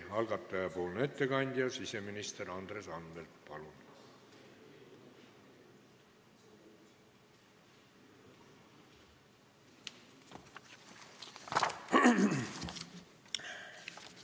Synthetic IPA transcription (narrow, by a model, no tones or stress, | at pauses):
hɑlɡɑt̪ːˑɑjɑpoːlnet̪ːekɑnʲd̪̥ʲjɑsiseminist̪eɾɑnd̪̥resɑnbelt̪pɑlun